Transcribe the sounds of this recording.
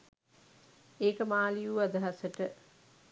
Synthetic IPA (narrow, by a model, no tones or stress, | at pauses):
eːkəmaːlijuad̪əɦasəʈə